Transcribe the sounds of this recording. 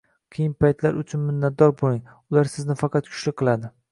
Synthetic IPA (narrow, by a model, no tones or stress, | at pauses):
qʰɨjɪnpʰajt̪la̰ɾʊt͡ʃʰʊnmɪnːat̪̚d̪ɒɾboɪŋ | ʊlaɾsɪznɪfɑqʰɑt̪̚kʰʊ̥t͡ʃlɪk̚ʲqʰːɨlˠad̪ɪ